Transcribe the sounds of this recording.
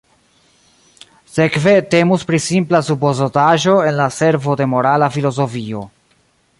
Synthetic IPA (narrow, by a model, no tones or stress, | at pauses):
se̞kve̞te̞muspɾisimplasupozotaʒo̞e̞nlase̞ɾvo̞de̞mo̞ɾalafilo̞zo̞fio̞̰